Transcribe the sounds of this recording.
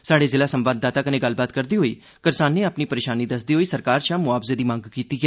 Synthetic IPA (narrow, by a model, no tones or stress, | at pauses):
saːɽeːzɪlaːsəmʋaːd̪ːaːt̪aːkənẽːɡəlbaːt̪kəɾd̪iːɦoːiː | kəɾsaːnːeːaːpniːpəɾeːʃaːniːd̪əsd̪iːɦoːiːsəɾkaːɾt͡ʃãːmʊaːpzeːd̪iːmãːŋɡkiːt̪iːɡɛː